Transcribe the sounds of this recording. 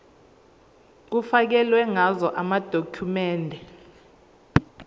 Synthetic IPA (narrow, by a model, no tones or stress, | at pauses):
k̬ufak̬ɛlwɛŋazɔʔamad̥ʱokʰumɛːndʱɛ